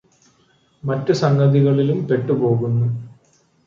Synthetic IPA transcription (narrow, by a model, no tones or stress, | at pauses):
mɐtːɨsɐŋɡɐðiɣɐɭilumpe̞ʈːupo̞ːɣunːu